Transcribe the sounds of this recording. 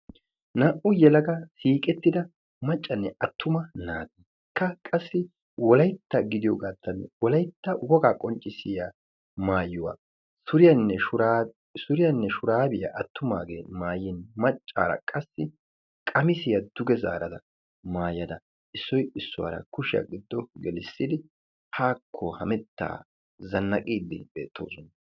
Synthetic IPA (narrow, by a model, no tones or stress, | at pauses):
naːʔʊjɛlɐɡɐsiːkʼɛt̪ːɪd̪ɐ | mɐt͡ʃʼːɐnːɛɐt̪ːʊmɐnaːɡ̪i | kʰːɐkʼɐsːɪ | wɔlɐjt̪ːɐɡɪd̪ɪjɔɡaːt̪ːɐnwɔlɐjt̪ːɐwɔɡaːkʼɔnt͡ʃʼːɪsɪja | maːjʊwa̰ | sʊɾɪjɐnːɛʊɾ | sʊɾɪjɐnːɛʃʊɾaːbɪjɐ̰ʔɐt̪ʰːʊmaːɡeːmaːjɪnmɐt͡ʃʼːa̰ːɾɐ̰kʼɐsːɪ | kʼɐmɪsɪjɐd̪̥ʊɡɛza̰ːɾɐd̪ɐ | maːjɐd̪ɐ | ɪsːɔjɪsːʊwa̰ɾɐ̰kʊʃɪja̰ɡɪd̪ːɔɡɛlɪsːɪd̪ɪ | haːkʰːɔhɐmɛt̪ːa̰ː | zɐnːɐkʼiːd̪ɪ̰be̞̰ːt̪ʰːo̰ːsɔnɐ